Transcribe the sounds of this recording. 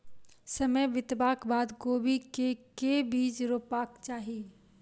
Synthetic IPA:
sɐməjʋɪt̪baːkbaːd̪ɡoːbʱikekebiːd͡ʒɾoːpaːkt͡ʃaːɦiː

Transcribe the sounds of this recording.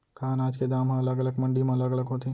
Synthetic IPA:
kʰaːnaːd͡ʒked̪aːmɦãɐləɡələɡmɐ̃ɳɖimẽɐləɡələɡɦot̪e

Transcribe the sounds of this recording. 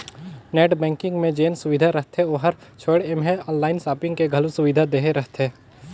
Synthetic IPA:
neːʈbɛ̃ːŋkɪ̃ŋɡmẽd͡ʒeːnsʊʋɪd̪ʱaɾɐɦt̪eoːɦəɾt͡ʃʰoːɽemɦẽɔ̃ːnlaːɪnsaːpɪ̃ŋɡkeɡʱɐlusʊʋɪd̪ʱad̪eːɦeɾɐɦt̪eː

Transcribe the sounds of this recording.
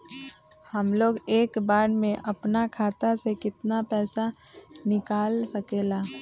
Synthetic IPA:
həmloːɡeːkbaːɽmẽʔəpnakʰaːt̪asekɪt̪napɛːsa | nɪkaːlsəkeːlaː

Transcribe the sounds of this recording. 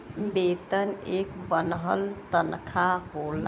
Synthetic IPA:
bet̪ənekbənɦəlt̪ənkʰaɦol

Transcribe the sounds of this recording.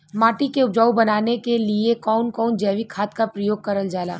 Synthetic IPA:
maːʈikeʊpd͡ʒaːubɐnaːnekeliekɔːnkɔːnd͡ʒɛːʋikʰaːt̪kapɾəjoːɡ̚kɐɾəld͡ʒaːla̰ː

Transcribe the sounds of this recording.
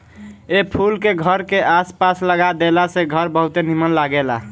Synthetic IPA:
epʰulkeɡʱəɾkeʔaspasləɡad̪elaseɡʱəɾbəɦut̪enimənlaɡela̰

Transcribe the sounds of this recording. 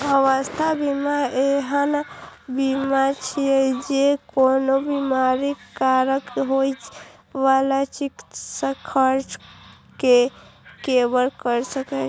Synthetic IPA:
bəʋəst̪ʰabimaeɦənbimat͡ʃʰiɛd͡ʒekonobimaɾikaɾəkɦojt͡ʃ | ʋalat͡ʃiksə̃kʰəɾd͡ʒ | kekebəlkəɾsəkə

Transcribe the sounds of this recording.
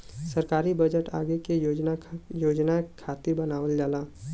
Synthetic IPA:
səɾkaːɾibəd͡ʒəʈa̰ːɡekejod͡ʒnajoːd͡ʒnakʰaːt̪ɪɾbɐnaːʋəld͡ʒaːlaː

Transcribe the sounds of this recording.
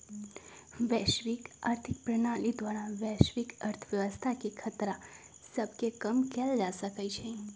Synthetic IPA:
ʋɛʃʋika̰ɾt̪ʰik̚pɾəɳ̃alid̪ʋaɾãʋɛʃʋikəɾt̪ʰəʋjəʋəst̪ʰakekʰət̪ɾa | səbkekəmkɛld͡ʒasəkəjt͡ʃʰe

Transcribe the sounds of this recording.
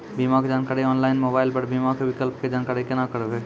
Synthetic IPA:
bimaked͡ʒaːnkaɾiɔːnlaɪnmobaɪlpəɽbimakewɪkəlp̚ked͡ʒankaɾikenakəɾebe

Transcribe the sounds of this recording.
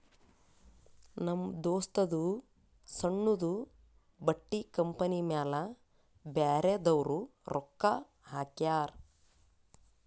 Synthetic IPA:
nɐmd̪oːst̪ɐd̪u | sɐɳːud̪u | bɐʈːikɐmpɐnimaːlɐ | baːɾed̪ɐwɾuɾʔɔkːɐ | ɦaːkjaːɾ

